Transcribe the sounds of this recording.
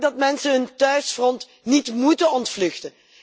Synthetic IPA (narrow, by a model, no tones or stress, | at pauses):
dɑtmɛnsəɦɵntœɥsfrɔnt | nitmutəɔntflɵxtə